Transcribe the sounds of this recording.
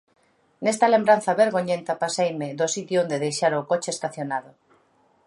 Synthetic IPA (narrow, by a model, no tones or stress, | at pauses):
nest̪ɐlembɾanθɐβeɾɣoɲent̪ɐpasejmɪðʊsit̪joond̪eðejʃaɾokot͡ʃɪest̪aθjonaðʊ